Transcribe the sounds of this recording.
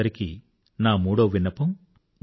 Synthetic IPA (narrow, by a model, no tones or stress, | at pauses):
ɐɾikḭ | naːmuːɽɐʋʋinːɐpɐm